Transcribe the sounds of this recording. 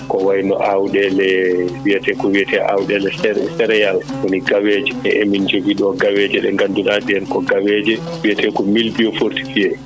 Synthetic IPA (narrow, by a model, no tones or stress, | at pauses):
kɔwajnɔ̰ʔawɗɛlɛwijɛtɛkɔwiɛtʰɛʔa̰wɗɛlɛsɛsɛɾɛjalwoniɡawɛd͡ʒɛɛʔemind͡ʒoɡiɗɔɡawɛd͡ʒɛɗɛŋɡandunadɛɛnkɔɡawɛd͡ʒɛ | wijɛtɛkɔmilbijɔfoɾti̥fiɛ